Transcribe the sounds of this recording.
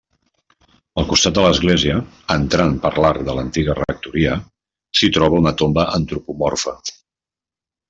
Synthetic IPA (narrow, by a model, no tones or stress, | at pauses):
əlˠkust̪at̪̚d̪ələzɣleziə | ənt̪ɾanpəɾlaɾðələnt̪iɣərə̰k̚t̪uɾiə | sit̪ɾɔβəunət̪ombəʔənt̪ɾupumɔrfə